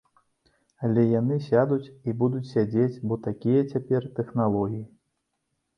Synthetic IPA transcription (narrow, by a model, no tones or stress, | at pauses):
alʲɛjanɨsʲad̪ut͡sʲibud̪ut͡sʲsʲad͡zʲet͡sʲbɔt̪akʲijɐt͡sʲapʲɛrt̪ɛxnalˠɔɣʲiji